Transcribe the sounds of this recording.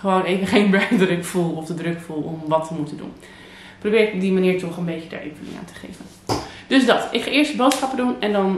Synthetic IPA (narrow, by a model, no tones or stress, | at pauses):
χəʋownejvəχejnbɛdrɵkfulˠɔfdədrøkfulˠɔmʋɑtəmutəndṵn | prowbɪːɹɪkɔb̚dimaniːɹtɔχənbejəda̰ːɹʔḛfulɪ̰ŋa̰ːntə̥χḛjvən | d̥ɵsdɑtɪkχaːʔɪːɹstəbowtsχɑpədunɛndɑn